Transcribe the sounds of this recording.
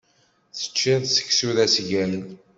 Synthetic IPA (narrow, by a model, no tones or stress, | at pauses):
θə̥t͡ʃːinðsə̥çsuðæsʝælən